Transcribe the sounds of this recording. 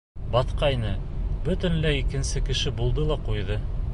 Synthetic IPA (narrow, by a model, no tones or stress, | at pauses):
bɑt̪qɑjnɤbɵ̆t̪ɘ̆nlæikɘ̆nsɘkɘ̆ʃɘbulˠd̪ɤlˠɑqujðɤ